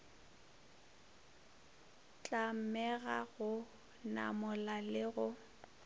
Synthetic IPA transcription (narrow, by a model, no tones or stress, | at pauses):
t͡ɬʼam̩mɛɣaɣʊ | na̰mʊlalɪɣʊ